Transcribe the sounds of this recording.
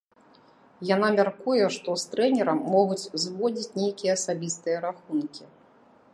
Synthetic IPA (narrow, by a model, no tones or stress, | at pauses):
janamʲarkujɛʂt̪ɔst̪ɾɛnʲɛɾɐmːɔɣut͡sʲzvɔd͡zʲit͡sʲnʲejkʲijɛːsabʲist̪ɨjɐɾaxunkʲi